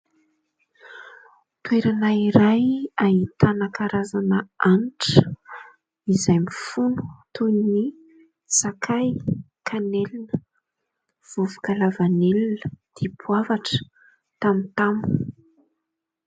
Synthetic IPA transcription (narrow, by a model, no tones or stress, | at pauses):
t̪weɾanaiɾajaɦit̪anakaɾazanəanʈ͡ʂə̥ | izajmifunu̥t̪uni | sakʰaj | kʰanelinə | v̥uvu̥kalavanelinəd̪̥epʰwavaʈ͡ʂə̥ | t̪amint̪am